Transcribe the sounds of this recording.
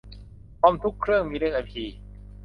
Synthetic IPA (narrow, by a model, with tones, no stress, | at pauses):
pʰɔː˧˩mt̪ʰu˦˥kʰːɾɯ˥˩əŋmiː˧ɾɯ˥˩əŋʔa˧jpʰiː˧